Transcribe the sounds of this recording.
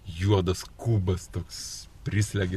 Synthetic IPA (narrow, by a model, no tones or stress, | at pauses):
juɔd̪ɐskuːbɐst̪oːkspʲɾʲɪsʲlʲɛɡʲɪ